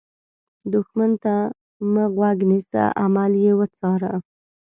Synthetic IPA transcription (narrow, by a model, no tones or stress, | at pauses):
d̪ʊxmant̪a | məɣwaɡnisa̰ʔamaljewət͡sɑɾa